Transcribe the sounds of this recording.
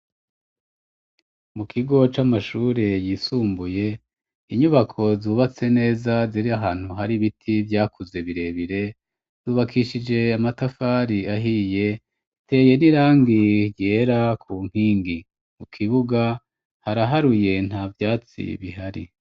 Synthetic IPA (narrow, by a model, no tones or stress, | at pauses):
mukʰiɡo̞t͡ʃamaʃuːɾe̞jiːsuːmbuje̞ | iɲuβakʰo̞zuːβat͡se̞ne̞ːzaziɾiaɦaːn̥huɦaɾiβitʰivjaːkʰuze̞βiɾe̞βiɾe̞ | z̥uːβakʰiʃid͡ʒe̞amatafaːɾiaɦije̞ | te̞ːje̞niɾaːŋɡije̞ːɾakʰuŋ̥hiːŋɡi | mukʰiβuɡa | haɾaɦaɾuje̞n̥haːvjaːt͡sḭβiɦaɾḭ